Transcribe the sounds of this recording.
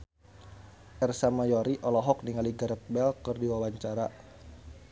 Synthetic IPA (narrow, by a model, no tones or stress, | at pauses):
ʔɛrsamajɔɾiʔɔlɔɦɔk̚niŋaliɡəɾət̪̚bɛlkərdiwawaɲt͡ʃaɾa